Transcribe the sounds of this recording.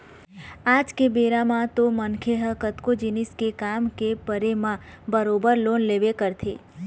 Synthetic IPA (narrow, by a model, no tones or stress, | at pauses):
ad͡ʒkebeɾamãt̪omənkʰeɦəkət̪kod͡ʒiniskekamkepəɾemãbəɾobəɾlonleʋekəɾt̪ʰe